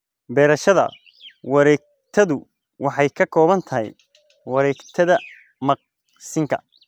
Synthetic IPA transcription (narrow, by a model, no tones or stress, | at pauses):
bɛːɾɐʃɐðɐ̰ | wɑɾɛːɡ̚ | t̪ʰɐðʊ | wɑħɑjkʰɐkʰɔːβɐnt̪ʰɐɦɛ̰j | wɑɾɛːɡt̪ʰɐðɐ | mɐq̚ | sɪŋkʰɐ